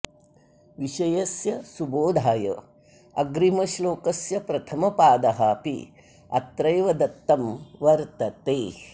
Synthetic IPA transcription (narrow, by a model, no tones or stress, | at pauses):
ʋiʃɐjɐsjɐsuboːd̪ʱaːjɐ̰ | ɐɡɾimɐʃloːkɐsjɐpɾɐt̪ʰɐmɐpaːd̪ɐɦaːpḭ | ɐ̰t̪ɾɐjʋɐd̪ɐt̪ːɐmʋɐɾt̪ɐt̪eː